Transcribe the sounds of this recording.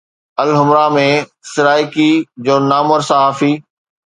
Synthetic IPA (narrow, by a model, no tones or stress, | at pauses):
ɐlɦʊmɾamẽsɪɾaːjkid͡ʑoːnaːməɾsaɦaːfiː